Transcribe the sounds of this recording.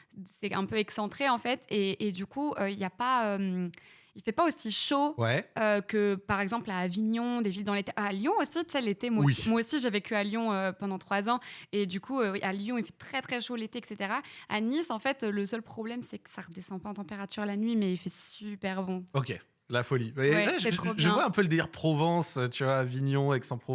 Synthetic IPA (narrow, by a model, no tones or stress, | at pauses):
sɛɛ̃pøɛksɑ̃t̪χeɑ̃fɛt̪eːd̪ykʰuøiljapaøm | ilfɛpaosiʃowɛøkəpaʁɛɡzɑ̃plaːviɲɔ̃d̪evild̪ɑ̃let̪eʔaljɔ̃osit̪sɛlet̪emwaimwaosiʒevekʲyaljɔ̃øpɑ̃d̪ɑ̃t̪χwazɑ̃ed̪ykʰuøwiʔaljɔ̃ilfɛ̥t̪χɛt̪χɛʃolet̪eɛkset̪eʁaa̰nisɑ̃fɛt̪øləsœlpχɔblɛmsɛkə̥saʁəd̪esɑ̃paɑ̃t̪ɑ̃peʁat̪yʁlanɥimɛilfɛsypɛʁbɔ̃ɔkʲe | lafɔlimɛwɛɛʒsɛt̪χobʒə̃waɛ̃pøləd̪eliʁpχɔvɑ̃st̪yvwaːviɲɔ̃aɛksɑ̃pχɔ